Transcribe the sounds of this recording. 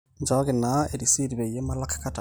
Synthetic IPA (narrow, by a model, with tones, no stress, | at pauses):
ɲd͡ʒa˦ɣina˨e˨ɾisi˦ɾi˨βe˨ije˦malakḁkata˨